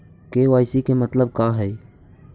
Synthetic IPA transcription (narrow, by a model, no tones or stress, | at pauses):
keʋaːjsikemət̪ləb̚kaːɦɛj